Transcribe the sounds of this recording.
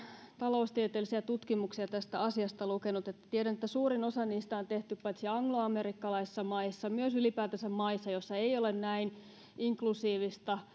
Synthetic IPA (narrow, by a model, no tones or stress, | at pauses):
t̪ɑlo̞ust̪iet̪eːlisiæt̪ut̪kimuksiɑt̪æst̪æɑsiɑst̪ɑlukenut̪et̪ːæ̥t̪ieɾænĕt̪ːæsuːrinosɑniːst̪æont̪eht̪yppɑit̪siɑŋloɑmeɾikːɑlɑisisːɑmɑisːɑmyøsylipæːt̪æsæmmɑisːɑjosːɑeiolennæin | ʔiŋklusiːʋist̪ɑ